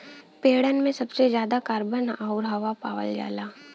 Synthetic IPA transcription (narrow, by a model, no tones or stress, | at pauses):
peːɽənmẽsɐbsezjaːd̪akaːɾbənaʊɾɦɐʋapaːʋə̰ld͡ʒa̰ːlaː